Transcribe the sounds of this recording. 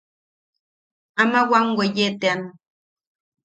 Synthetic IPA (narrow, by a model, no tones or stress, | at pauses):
amawaŋwejet̪ean